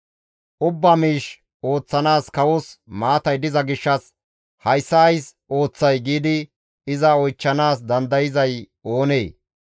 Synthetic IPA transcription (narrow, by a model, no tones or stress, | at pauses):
ʔʊbːamiːʃ | o̞ːt͡sːɐnaːskɐwɔsmaːt̪ɐjd̪ɪzɐɡɪʃːɐs | hɐjsːɐjsʔo̞ːt͡sːɐjɡiːd̪ɪ | ɪzɐɔjt͡ʃːɐnaːs̬d̪ɐnd̪ɐjɪzɐj | o̞ːneː